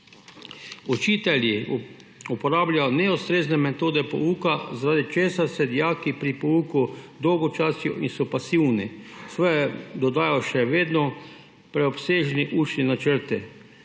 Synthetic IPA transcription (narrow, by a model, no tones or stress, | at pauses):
ɔt͡ʃiːt̪ɛlji | upɔɾaːbljajɔnɛust̪ɾeːznɛmɛt̪oːd̪ɛpɔ̰uːkazaɾaːd̪it͡ʃeːsasɛd̪ijaːkipɾipɔuːkud̪ɔwɡɔt͡ʃasjɔ̰insɔpasiwnisʋɔjɛd̪ɔd̪aːjɔʃɛʋeːd̪nɔ | pɾɛɔpseːʒniʔuːt͡ʃninat͡ʃəɾt̪ɛ